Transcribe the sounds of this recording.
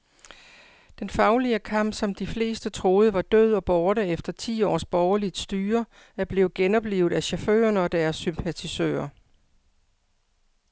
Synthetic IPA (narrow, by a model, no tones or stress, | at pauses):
d̥enfɑ̈ʊliəkʰɑ̈m̰b̥sɒ̽md̥ifle̝̰ːsd̥ət͡sʰʁo̝ːð̞̩ˠəʋɑ̈d̥øð̞̰ˠɒ̽b̥ɒːɾəefd̥ɐt͡sʰḭːɒ̰ːsb̥ɒʊɐlid̥sd̥yːɐ | æɐb̥le̝ːʊɡ̥enɒ̽b̥liːʊð̞̩ˠæɕɑfø̰ːɐnɒ̽d̥æɐsːympʰæt͡sʰisø̰ːɐ